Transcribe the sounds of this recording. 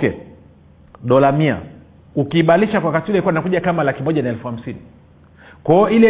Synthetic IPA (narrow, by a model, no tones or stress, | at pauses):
kɛ̰ | ɗɔlamia̰ | ukiːɓaliʃakwakatiulɛikuwainakuʄakamalakimɔʄanaɛlfuam̩sini | kaɔilɛ